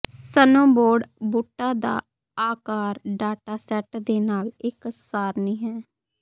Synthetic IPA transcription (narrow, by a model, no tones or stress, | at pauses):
sənõːboːɖbʊʈːaːd̪a̰ː | aːkaːɾɖaːʈaːsɛːʈd̪eːnaːlɪkssaːɾniːɦɛː